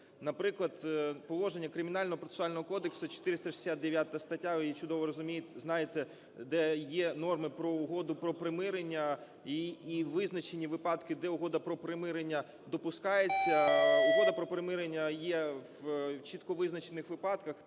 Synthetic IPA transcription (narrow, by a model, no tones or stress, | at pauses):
nɐpɾɪklˠɐd̪pɔlˠɔʒenʲːɐkɾɪmʲɪnɑlʲnɔɦɔpɾɔt̪e̥sʊɑlʲnɔɦɔkɔd̪eksɐt͡ʃɔ̥t̪ɪɾɪst̪ɐʃɪ̥sʲat̪̚d̪eʋʲjat̪ɐɐst̪ɐtʲːaʋt͡ʃʊd̪ɔʋɔɾɔzʊmʲijɪt̪ʲznɑjet̪ɛ | d̪ɛjɛnɔrmɪpɾɔʊɦɔd̪ʊpɾɔpɾemɪɾenʲːɐ | iiʋɪznɐt͡ʃenʲiʋɪpɑd̪kɪd̪ɛʊɦɔd̪ɐpɾɔpɾemɪɾenʲːɐ | d̪ɔpʊskɑjet͡sʲːɐʊɦɔd̪ɐpɾɔpɾemɪɾenʲːɐjɛʋt͡ʃit̪kɔʋɪznɐt͡ʃenɪxʋɪpɑd̪kɐx